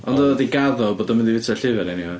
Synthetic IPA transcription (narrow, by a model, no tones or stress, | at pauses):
ɔndɔdiɡaðɔboːdɔmɪndivɪtʰaɬɪvɛɾɛnihɔ